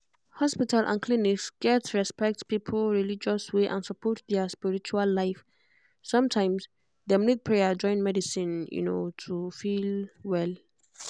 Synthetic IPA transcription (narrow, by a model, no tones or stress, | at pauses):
hɔspitʰalʔã̰nkʰliniksɡ̥ɛtɹɛspɛk̚tpipʰl̩ɹilid͡ʒɔsweʔã̰nsəpʰɔt̚d̪ɛspiɹit͡ʃualːajf | sʌ̃mtʰãɪ̃ms | d̪ɛmlit̚pʰɹejad͡ʒɔ̃j̃nmɛdisĩnjṵno̰tʰufilwɛl